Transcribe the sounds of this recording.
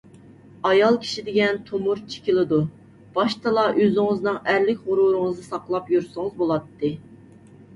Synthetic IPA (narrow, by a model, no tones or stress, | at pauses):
ɑjɑlˠkʲʰi̥ʃid̪ɪɡʲɛnt̪ʰomuɾt͡ʃʰi̥kʲilˠɨd̪u | b̥ɑʃt̪ʰɨlˠɑʔøzɪŋɨznɨŋæɾlɪkʲʁʊɾuɾɨŋɨzd̪ɨsɑqlˠɑpjuɾsɨŋɨzbolˠɑt̪ʰːɨ